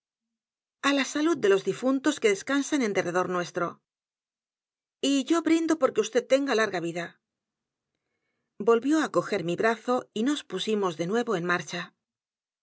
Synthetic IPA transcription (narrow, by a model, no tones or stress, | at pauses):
alasalud̪̚d̪e̞lo̞zðifunt̪o̞ske̞ðe̞skansanend̪e̞rʔe̞ð̞o̞ɾnwe̞st̪ɾo̞ | iʝo̞βɾind̪o̞po̞ɾke̞ust̪e̞t̚t̪ːe̞ŋɡalaɾɣaβ̞iða | bo̞lβjo̞ako̞xe̞ɾmiβɾaθo̞ino̞spusimo̞zðe̞nwe̞βo̞e̞nmaɾt͡ʃa